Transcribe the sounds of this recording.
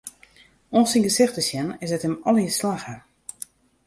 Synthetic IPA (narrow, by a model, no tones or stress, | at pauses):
ɔ̃siŋɡəsɪxtəsjɛnɪsɛtɪmɔlˠjəslaxə